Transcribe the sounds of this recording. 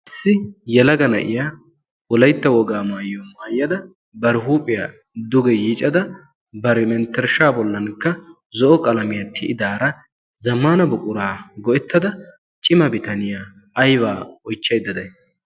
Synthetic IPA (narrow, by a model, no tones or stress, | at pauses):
ʔɪsːɪjɛlɐɡɐnɐ̰ʔɪ̰jaː | ɔlɐjt̪ːɐwɔɡaːmaːjːɔmaːjːɐd̪ɐ | bɐɾɪɦuːpʼɪjaː | d̪ʊɡɛjɪt͡ʃʼɐd̪ɐ | bɐɾɛmɛnt̪ːɛɾʃaːbɔlːɐnkːɐ | zɔʔɔkʼɐlɐmɪjɐt̪ʰːɪʔɪd̪aːɾɐ | zɐmːaːnɐbʊkʼʊɾaːɡɔʔɛt̪ːɐd̪ɐ | t͡ʃʼɪmɐbɪt̪ɐnɪjaː | jβaːɔjt͡ʃːɐjd̪ːɐd̪ɐj